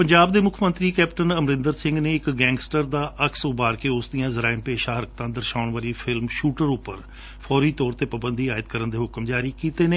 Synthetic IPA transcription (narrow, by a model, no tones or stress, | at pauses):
pəɲd͡ʒaːbd̪eːmʊkʰmə̃nt̪ɾiːkɛːp̚ʈənəmɾɪ̃nd̪əɾsɪ̃ŋɡneːɪkɡɛ̃ːŋɡsʈəɾd̪aːʔəksʊbaːɾkeːʊsd̪ijãːzəɾaːɪmpeːʃãːɦəɾək̚t̪ãːd̪əɾʃaːnʋaːɾiːpʰɪlmʃuːʈəɾʊpːəɾ | pʰɔːɾiːt̪ɔːɾt̪eːpəbənd̪iːaːɪt̪kəɾənd̪eːɦʊkmd͡ʒaːɾiːkiːt̪eːneː